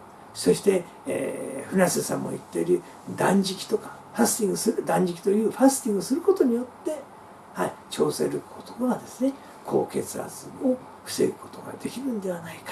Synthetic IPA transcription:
so̞ɕi̥t̪e̞ | ḛɸɯ̟nasɨsã̰mːo̰ḭt̪ːeɾɯ̟ | d̪ãɲ̟d͡ʑikʲi̥t̪o̞kḁ | ɸasɨ̥t̪ʲĩŋɡɯ̟sɨɾɯd̪ãɲ̟d͡ʑikʲi̥t̪ojɯ̟ːɸasɨ̥t̪ʲĩŋɡɨsɨɾɯ̟ko̞t̪o̞ɲ̟ijo̞t̪ːe̞ | hait͡ɕo̞ːse̞̰ɾɯkʰot̪oɡaɡad̪e̞sɨne̞ | kʰo̞̰ːke̞t͡sɨa̰zɨmo | ɸɯ̟̥se̞̰ɾɯ̟ko̞̥t̪o̞ɡa̰d̪e̞kʲiɾɯ̟̃nd̪e̞β̞anaikḁ

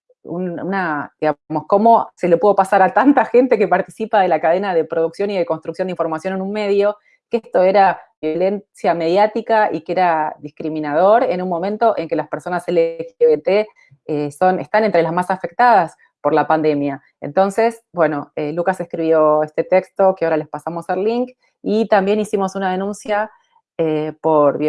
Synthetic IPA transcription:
ununad̪iɣamo̞sko̞mose̞lepuðo̞pasaɾat̪ant̪axe̞nt̪eke̞paɾt̪isipaðe̞lakaðe̞naðe̞pɾo̞ðuksjo̞niðeko̞nst̪ɾuk̚sjond̪iɱfo̞ɾmasjo̞ne̞nunme̞ðjo̞ | keest̪o̞e̞ɾaβjo̞le̞nsjame̞ðjat̪ikaḭkeeɾaðiskɾiminað̞o̞ɾe̞nunmõ̞mẽ̞nt̪o̞ʔe̞ŋke̞laspeɾso̞naselexeβet̪e | eso̞nest̪anent̪ɾe̞lazmasafe̞k̚t̪að̞as | po̞ɾlapand̪e̞mja | ḛnt̪o̞nse̞sbwe̞no̞elukasehkɾiβjo̞est̪e̞t̪ekst̪o̞keaoɾale̞spasamo̞salliŋk | it̪ambje̞nisimo̞sunað̞e̞nũnsja | epo̞ɾβ

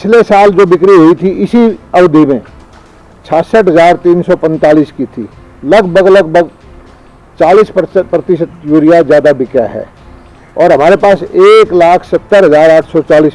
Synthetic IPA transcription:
pɪt͡ʃʰlesaːld͡ʒoːbɪkɾiɦoit̪ʰiʔɪsiɐʋd̪ʱimẽ | t͡ʃʰaːsəʈɦɐzaːɾt̪iːnsɔpɛ̃nt̪aːliːskit̪ʰḭː | lɐɡbʱəɡləɡbʱəɡ | t͡ʃaːliːsppɾɐt̪ɪʃət̪̚jʊɾijazjaːd̪abɪkja̰ɦɛ̰ː | ɔːɾɦɐmaːɾepaːseːklaːkʰsɐt̪ːəɾɦɐzaːɾaːʈʰsɔt͡ʃaːliːs

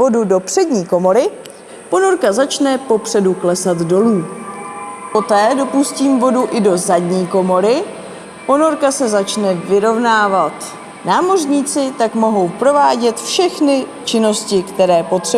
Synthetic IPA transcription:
o̞dudo̞pr̝̥ɛdɲiːko̞mo̞ɾɪ | po̞no̞ɾkazat͡ʃnɛpo̞pr̥ɛduklɛsat̪do̞luː | po̞t̪ɛːdo̞pusciːmvo̞duʔɪdo̞zadɲiːko̞mo̞ɾɪ | po̞no̞ɾkasɛzat͡ʃnɛvɪɾo̞vnaːvat̪ | naːmo̞rɲiːt͡sɪt̪akmo̞ɦo̞wpɾo̞vaːɟɛt̪fʃɛxnɪt͡ʃɪno̞scɪkt̪ɛɾɛːpo̞t̪r̥ɛ

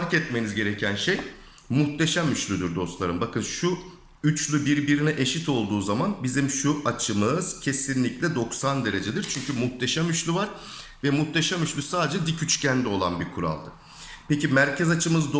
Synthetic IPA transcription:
ɾkɛt̪me̞nizɟe̞ɾecʰænʃej | muxt̪ʰe̞ʃamyt͡ʃlʲyd̪uɾd̪o̞st̪lˠaɾɯmbakʰɯnʃu | yt͡ʃlʲybiɾbiɾinɛʔeʃit̪ʰo̞lˠd̪uːzamanbizimʃuʔat͡ʃʰɯmɯz̥cʰe̞sinlʲiclʲɛd̪o̞ksand̪e̞ɾe̞d͡ʒed̪iɾt͡ʃʰyɲcʰymuxt̪ʰe̞ʃamyt͡ʃlʲˠyvaɾ̥ | vɛmuxt̪ʰeʃamyt͡ʃlʲysaːd̪ed͡ʒɛd̪icʰyt͡ʃcʰænd̪ɛo̞lˠa̰nbiɾkʰuɾa̰lˠd̪ɯ | pecimæɾcʰɛzat͡ʃʰɯmɯzd̪

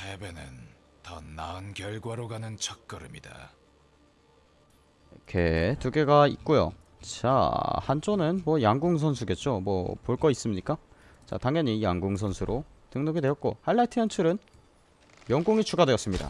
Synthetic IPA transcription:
sʰebenɯ̰n | tʌ̰na̰ɯnkjʌɭɡwaɾoɡanɯnt͡ɕʰʌk̚k͈ʌɾɯmida̰ | kʰetuɡe̞ɡaḭk̚k͈ojo̰ | t͡ɕa̰hant͡ɕʰonɯnmwʌjaŋɡuŋs̬ʰʌnsʰuɡe̞t̚t͡ɕ͈omwʌ̰poɭk͈ʌis͈ɯmɲik͈a | t͡ɕa̰taŋjʌɲijaŋɡuŋsʰʌnsʰuɾʔo | tɯŋnoɡidwe̞jʌt̚k͈ohaɭːatʰiʌnt͡ɕʰɯɾɯn | jʌŋɡoŋit͡ɕʰuɡadweʌs͈ɯmɲida̰

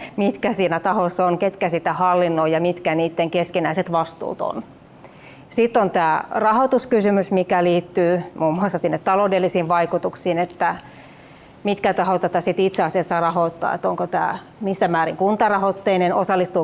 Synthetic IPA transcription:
mit̪kæsiːnæt̪ɑhosonket̪kæsit̪æhɑlːinːoijɑmit̪kæniːt̪ːeŋkeskinæiset̪ʋɑst̪ṵːt̪o̰n | sit̪ːont̪æːrɑhot̪uskysymysmikæliːt̪ːyːmuːmːuɑsːɑsinːet̪t̪ɑloudelːisiːʋʋɑikut̪uksiːnet̪ːæ | mit̪kæt̪ɑhot̪æt̪æsit̪it̪seɑsiɑsːɑrɑhoˑt̪ːɑ̰ːḛt̪oŋkot̪æ̰ː | misːæmmæːɾiŋkunt̪ɑrɑhot̪ːeinenosɑlːist̪uː

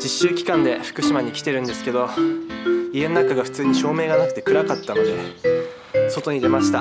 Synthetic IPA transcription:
d͡ʑiɕːɨːkʲi̥kãnd̪e̞ɸɯ̟̥kɯ̟ɕimaɲ̟ikʲi̥t̪e̞ɾɯ̟̃nd̪e̞sɨ̥ke̞d̪o̞ | ie̞nonakaɡaɸɯ̟̥t͡sɨːɲ̟iɕo̞ːme̞ːɡanakɯ̥t̪e̞kɯ̟ɾakat̪ːano̞d̪e | so̞t̪o̞ɲ̟id̪e̞maɕi̥t̪a

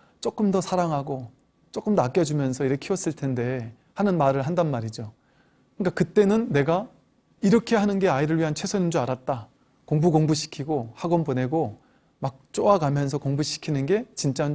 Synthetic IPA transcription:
t͡ɕ͈ok͈ɯmdʌsʰaɾaŋɦaɡo | t͡ɕ͈ok͈ɯmdak͈jʌd͡ʑumjʌnsʰʌiɾʌkkʰiʌs͈ɯɭtʰe̞nde̞ | hanɯnmaɾɯɭɦandanmaɾid͡ʑo | kɯɲk͈akɯt͈e̞nɯnːe̞ɡa | iɾʌkʰe̞ɦanɯnɡe̞aiɾɯɭɥiɦant͡ɕʰe̞sʰʌɲind͡ʑuaɾat̚t͈a | koŋbuɡoŋbuɕʰi̥kʰiɡohaɡʌnbone̞ɡo | mak̚t͡ɕ͈oaɡamjʌnsʰʌkoŋbuɕʰi̥kʰinɯnɡe̞t͡ɕint͡ɕ͈a

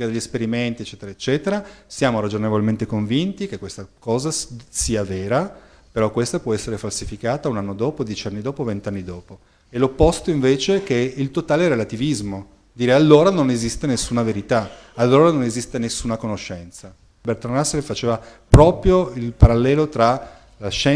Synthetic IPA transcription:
kad̪eʎːespeɾiment̪iet͡ʃːɛːt̪eɾaet͡ʃːɛːt̪eɾasjaːmoɾad͡ʒonevolment̪ekoɱvint̪ikekːwest̪akɔːzasiːaveːɾa | peɾɔkːwest̪apwɔɛsːeɾefalsifikaːt̪aunanːod̪ɔːpod̪jɛt͡ʃanːid̪ɔːpovent̪eanːid̪ɔːpo | elopːost̪oiɱveːt͡ʃek̟eilt̪ot̪aːleɾelat̪ivizmo | d̪iːɾealːoːɾanonezist̪enesːuːnaveɾit̪a | alːoːɾanonezist̪enesːuːnakonoʃːɛnt̪sa | bɛrt̪onaslefat͡ʃeːvapɾɔːpɾjoilpaɾalːɛːlot̪ɾa | laʃɛ

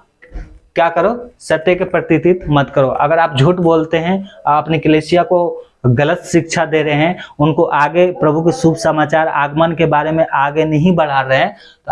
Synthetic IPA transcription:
kjaːkəɾosɐt̪jekepɾɐt̪ɪt̪ɪt̪mət̪kəɾoʔɐ̰ɡəɾaːp̚d͡ʒʱuːʈboːlt̪eɦɛ̃ɐpnikɐleːsijako | ɡɐlət̪ʃɪk̚ʃʰad̪eːɾeɦɛ̃ʊnkoʔaːɡepɾɐbʱukesuːbʱsəmaːt͡ʃaːɾa̰ːɡmənkebaːɾemẽʔaːɡenɐɦĩbəɽ̤aːɾəɦɛ̃ | t̪o

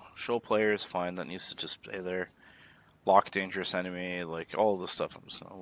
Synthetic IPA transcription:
ʃoʊpʰl̥eɪə˞z̥fãɪ̃nðə̰ʔnjʉdz̥tʰɨd͡ʒʌspʰl̥ḛɪðə˞ | lɑk̚d̥ẽɪ̃nd͡ʒə˞ɨsɛnɨmilaɪkʰɔlˠvðəstʌfãɪ̃mzɡ̥ʌ̰̃nə

